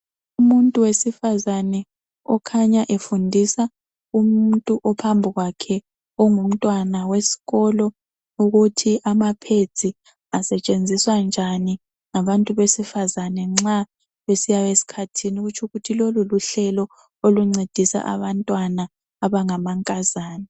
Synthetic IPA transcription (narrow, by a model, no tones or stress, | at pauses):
umuntʼuwesifazanɛ | ɔkʰaɲaʔefundʱisa | um̩ntʼuʔɔpʰambʱiɣwakʰɛ | ɔŋum̩tʼwanawesi̥ɣɔlɔ | uɣutʰiʔamapʰe̥z̥ʱʼi | asɛt͡ʃʼend͡zʱiswand͡ʒʱani | ŋaβantʼuβesifazanɛŋ͡ǁa | βesijaβesi̥kʰatʰiniɣut͡ʃʰuɣutʰiloluluɬɛlɔ | oluŋ͡ǀed̥ʱisa̰ʔa̰βantʼwanaː | βaŋamaŋkʼazaːnɛ